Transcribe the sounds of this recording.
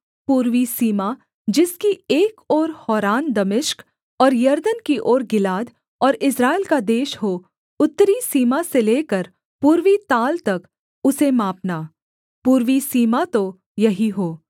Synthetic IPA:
puːɾʋisiːma | d͡ʒɪskieːkɔːɾhɔːɾaːnd̪ɐmɪʃk | ɔːɾjɐɾd̪ənkiʔɔːɾɡɪlaːd̪ | ɔːɾɪsɾaːɪlkad̪eːʃɦoː | ʊt̪ːəɾisiːmaseleːkəɾ | puːɾʋit̪aːlt̪ɐk | ʊsemaːpnaː | puːɾʋisiːmat̪o | jɐɦiɦoː

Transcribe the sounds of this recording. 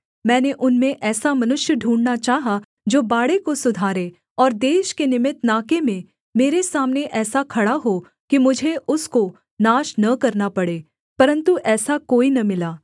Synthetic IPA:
mɛ̃ːneʔʊnmẽʔɛːsamɐnʊʃjəɖʱũːɳnat͡ʃaːɦa | d͡ʒoːbaːɽekosʊd̪ʱaːɾe | ɔːɾd̪eːʃkenɪmɪt̪naːkemẽ | meːɾesaːmneʔɛːsakʰɐɽaɦo | kimʊd͡ʒʱeʔʊsko | naːʃnɐkɐɾnapɐɽeː | pɐɾə̃nt̪uʔɛːsakoːinɐmɪlaː

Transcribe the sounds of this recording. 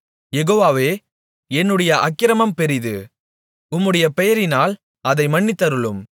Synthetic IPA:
jɛɣoːʋaːʋeː | ɛnːɯɽɐjɐʔɐkːɪɾɐmɐmpɛɾɪðɯ̰ | ʊmːɯɽɐjɐpɛjɐɾɪnaːl | ɐðɐɪmɐɳːɪt̪ːɐɾɯɭɯm

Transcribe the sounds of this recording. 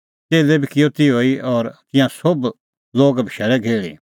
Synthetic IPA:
t̪eːlɛbʱikɪjot̪iɦoːiʔɔːɾt̪ɪ̃jãsob | loːɡbʱiʃɛːlɛɡʱeːɭḭ

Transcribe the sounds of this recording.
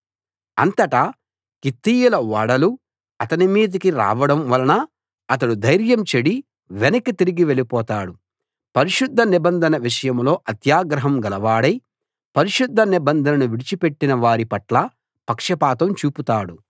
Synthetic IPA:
ɐ̰nt̪ɐʈa | kit̪ːiːjulɐʋɐɽɐlu | ɐt̪ɐnimiːd̪ikiɾa̰ːʋɐɽɐmʋɐlɐnɐː | t̪ɐɽud̪ʱɐjɾjɐmt͡ʃeɽi | ʋenɐkit̪iɾiɡiʋe̞lipɔːt̪aːɽu | pɐɾiʃud̪ʱːɐnibɐnd̪ʱɐnɐʋiʂɐjɐmlo̞ːʔɐt̪jaːɡɾɐɦɐmɡɐlɐʋaːɽɐj | pɐɾiʃud̪ʱːɐnibɐnd̪ʱɐnɐnuʋiɽit͡ʃipe̞ʈːinɐʋaːɾipɐʈlɐ | pɐkʂɐpaːt̪ɐmt͡ʃuːput̪aːɽu

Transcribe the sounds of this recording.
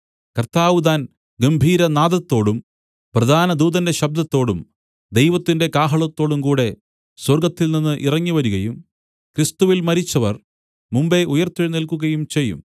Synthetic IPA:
kɐrt̪aːʋud̪aːn | ɡɐmbʱiːɾɐnaːd̪ɐt̪ːo̞ːɽum | prɐd̪ʱaːnɐd̪uːðɐnde̞ɕɐb̚d̪ɐt̪ːo̞ːɽum | d̪e̞jʋɐt̪ːinde̞kaːɦɐɭɐt̪ːo̞ːɽumkuːɽe̞ | swɐrɡɐt̪ːilninːɨʔirɐŋːiʋɐɾuɣɐjum | krist̪uʋilmɐɾit͡ɕːɐʋɐr | mumbe̞ʔujɐrt̪ːiɻnilkuɣɐjumt͡ɕe̞jːṵm

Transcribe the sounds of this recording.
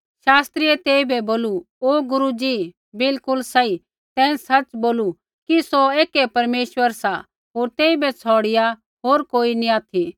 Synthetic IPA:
ʃaːst̪ɾiɛt̪eːibʱɛboːlu | oːɡʊɾud͡ʒi | bɪlkʊlsɐi | t̪ɛ̃ːsɐt͡ʃboːlu | kisoeːkɛpɐɾmeːʃʋəɾsa | ɦoːɾt̪eːibɛt͡sʰɔːɽɪja | ɦoːɾkoːiniaːt̪ʰi

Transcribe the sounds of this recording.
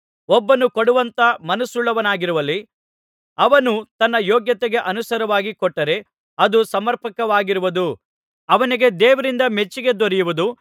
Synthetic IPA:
ɔbːɐnukoɽuʋɐnt̪ɐmɐnusuɭːɐʋɐnaːɡiɾuʋɐlːi | ɐʋɐnut̪ɐnːɐjɔːɡjɐt̪eɡeʔɐnusɐɾɐʋaːɡikɔʈːɐɾe̞ | ɐd̪usɐmɐɾpɐkɐʋaːɡiɾuʋud̪u | ɐʋɐniɡe̞d̪ɛːʋɐɾind̪ɐme̞t͡ʃːiɡe̞d̪oɾɛjuʋud̪u

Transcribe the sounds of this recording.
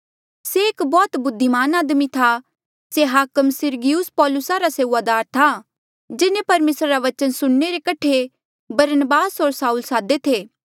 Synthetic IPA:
seːkbɔːt̪bʊd̪ʱːimaːnaːd̪mit̪ʰa | seɦaːkəmsɪɾɡɪjuspɔːlʊsaɾaseːad̪aːɾt̪ʰa | d͡ʒɪnẽpɐɾmeːsɾaɾaʋɐt͡ʃənsʊɽːeɾekɐʈʰe | bɐɾnəbaːsɦoːɾsaːulsaːd̪et̪ʰeː

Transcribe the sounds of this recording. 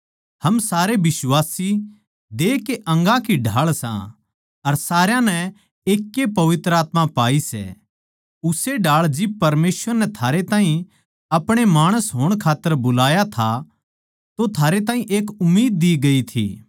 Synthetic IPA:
hɐmsaːɾebɪswaːsi | d̪eːkeʔɐ̃ŋɡãkiɖʱaːɭsã̰ | ɐɾsaːɾjãnɛ | eːkːepɐʋɪt̪ɾəaːt̪mãpaːisɛ̰ | ʊseɖʱaːɭd͡ʒɪb̚pɐɾmeːsʋəɾnɛt̪ʰaːɾet̪ãːɦĩ | ɐpɽ̃emaːɽ̃əsɦoːɽ̃kʰaːt̪ːəɾbʊlaːjat̪ʰa | t̪ot̪ʰaːɾet̪ãːɦĩʔeːkʊmːiːd̪̚ːiɡɐit̪ʰḭː

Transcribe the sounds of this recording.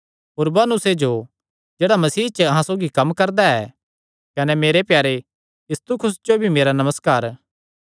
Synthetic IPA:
ɦoːɾbaːnʊsed͡ʒo | d͡ʒeːɽamɐsiːt͡ʃəɐɦãsoːɡikɐmkɐɾd̪aɛː | kɐnɛmeːɾepjaːɾe | jist̪ukʰɾʊsd͡ʒobʱimeːɾanɐməskaːɾ

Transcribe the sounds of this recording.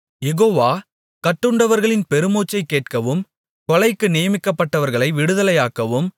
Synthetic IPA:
jɛɣoːʋaː | kɐʈːɯɳɖɐʋɐɾɣɐɭɪnpɛɾɯmoːt͡ʃːɐɪkːeːʈkɐʋɯm | kɔlɐɪkːɯnɪjɐmɪkːɐpːɐʈːɐʋɐɾɣɐɭɐɪʋɪɽɯðɐlɐjaːkɐʋɯm

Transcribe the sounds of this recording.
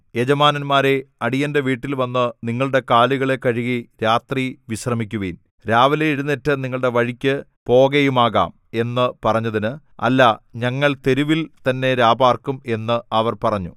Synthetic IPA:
jed͡ʑɐmaːnɐnmaːɾe̞ɐɽijɐndeʋiːʈːilʋɐnːɨniŋːɐɭɨɽe̞kaːluɣɐɭe̞kːɐɻiɣiɾaːt̪riʋiɕrɐmikʲːuʋin | ɾaːʋɐleiɽunːitːɨniŋːɐɭɽe̞ʋɐɻikʲːɨpo̞ːɣejumaːɣa̰ːm | e̞nːɨpɐrɐɲːɐðinɨ | ɐ̰lːɐɲɐŋːɐɭt̪e̞ɾuʋilt̪ɐnːe̞ɾaːbaːrkume̞nːɨʔɐʋɐrpɐrɐɲːu

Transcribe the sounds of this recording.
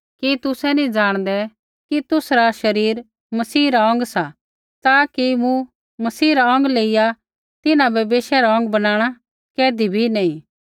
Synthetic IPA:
kit̪ʊsɛnĩd͡zaːɽ̃d̪ɛ | kit̪ʊsɾaʃɐɾiːɾ | mɐsiːɾaɔ̃ŋɡsa | t̪aːkimũ | mɐsiːɾaɔ̃ŋɡleːɪja | t̪ɪnãbɐbeːʃɛɾaɔ̃ŋɡbɐnaːɽ̃a | kɛːd̪ibʱinɐĩ

